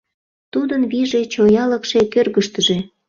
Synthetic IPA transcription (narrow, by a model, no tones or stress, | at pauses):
t̪ud̪ənβiʒet͡ɕojɑləkʃekørɣəʃt̪əʒe